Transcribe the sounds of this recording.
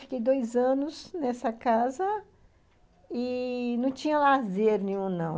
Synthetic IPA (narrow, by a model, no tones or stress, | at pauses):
fi̥kejd̪ojzɐ̃nʊznɛsɐkazɐ | ɪnɐ̃w̃t͡ʃĩɲɐlazeɾʊnẽɲũnɐ̃w̃